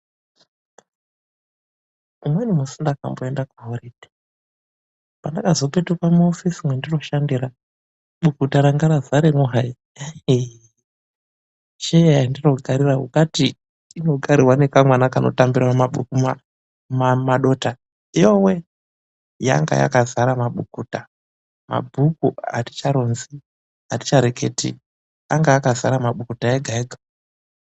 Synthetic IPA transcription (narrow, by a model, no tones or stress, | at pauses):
umwenumusindaka̰mboendakuɦoɾed̥ʱi̥ | pandakazo̞petukwamuofisimwendiro̞ʃandiɾa | ɓukutaɾaŋɡaɾazaɾemuɦai | ʃejajandiro̞ɡʱaɾiraɦukatiː | no̞ɡʱaɾirwanekamwanakano̰tambiɾamaɓṵkuma | mamaɗo̞ta | ijowe | ja̰ŋɡa̰ja̰kazaɾamaɓukuːta | ma̰bʱukua̰ti̥t͡ʃaɾo̞nzi | ati̥t͡ʃaɾeke̞̰ːtḭ | aŋɡajakazaɾamaɓukutaeɡʱaeɡʱa